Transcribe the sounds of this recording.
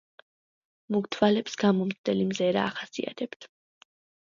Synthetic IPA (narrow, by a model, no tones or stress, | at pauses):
muɡt̪ʰvalɛpsɡamɔmzd̪ɛlimzɛɾa̰ːχasḭa̰t̪ʰɛpt̪ʰ